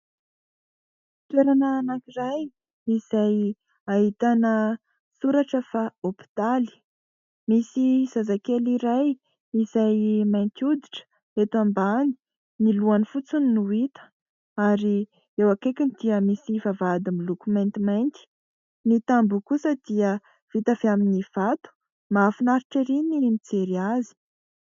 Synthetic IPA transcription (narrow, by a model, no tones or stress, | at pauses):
t̪weɾanəːnakiɾaj | izaj | aɦit̪anə | suɾaʈ͡ʂəfaopi̥t̪ali̥ | misiz̥azakeliɾaj | izajmajnt̪ud̪i̥ʈ͡ʂə̥ | et̪wambani̥ | niluanifut͡sunnuit̪ə̥ | aɾi | ewakekʲinid̪̥iəmisivavad̪imilukument̪imajnt̪i̥ | nit̪ambukusəd̪iə | v̥it̪av̥eaminiv̥at̪u̥ | mafinaɾiʈ͡ʂiɾinimit͡seɾiazi̥